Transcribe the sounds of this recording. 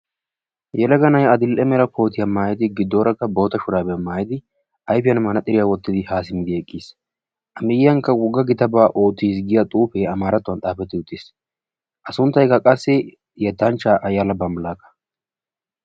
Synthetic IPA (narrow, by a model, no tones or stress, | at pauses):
jɛlɐɡɐnɐjɐd̪ɪlʔɛmɛlɐkʰo̞ːt̪ɪjɐmaːjɪd̪ɪɡɪd̪ːoːɾɐkːɐbo̞ːt̪ɐʃʊɾaːbɛmaːjɪd̪ɪ | ʔɐjpɪjɐnmɐnɐt̪ʼɪɾɪjaːwɔt̪ːɪd̪ɪhaːsɪmɪd̪ɪɛkʼːiːs | ʔɐmɪjɪːɐŋkːɐwʊɡːɐɡɪt̪ɐbaːʔoːt̪ːiːs̬ɡɪjɐt̪ʼuːfɛːɐmaːɾɐt̪ːʊwɐnt̪ʼaːpɛt̪ːɪʊt̪ːiːs | ʔɐsʊnt̪ːɐjkɐkʼɐsːɪ | jɛt̪ːɐnt͡ʃːaːʔɐjalɐbɐmɐlaːkːɐ̥